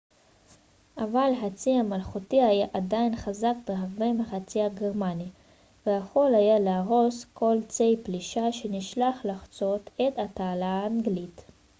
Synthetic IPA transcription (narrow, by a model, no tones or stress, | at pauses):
ʔavalɦat͡siamalχutihajaʔadajnχazakbeɦaʁbemeχat͡siaɡeʁmani | vehaχo̞lhajaleaʁo̞skʰo̞lt͡se̞jpliʃaʃeniʃlaχlaχt͡so̞tet̪ataːlaːŋɡlit